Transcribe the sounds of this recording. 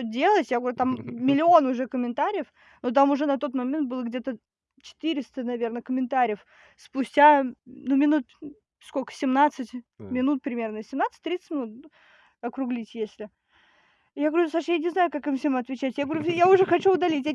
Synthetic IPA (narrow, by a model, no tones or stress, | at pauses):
todʲe̞lˠətʲjaɡəvɐɾʲut̪amːʲɪlʲɪo̞nʊʐɛkəmʲɪnt̪aɾʲɪjəf | not̪̬amʊʐɛnɐt̪o̞t̪mɐmʲent̪̚bɨlˠəɡdʲe̞t̪ə | t͡ɕɪ̥t̪ɨɾʲɪst̪ənɐvʲe̞rnəkəmʲɪnt̪aɾʲɪjəf | spʊsʲtʲanumʲɪnut̪̚ | skokə̥sʲɪmnat̪sɨtʲmʲɪnut̪̚pɾʲɪmʲe̞rnəsʲɪmnat̪sɨ̥tʲt̪ɾʲit̪sɨ̥tʲmʲɪnut̪̚ | ɐkɾʊɡlʲitʲjesʲlʲɪ | jaɡvɐɾʲʊsaʂjanʲɪznajʊkakɨmfsʲemɐt̪vʲɪt͡ɕætʲjaɡvɐɾujaʊʐɛxɐt͡ɕuʊd̪ɐlʲitʲja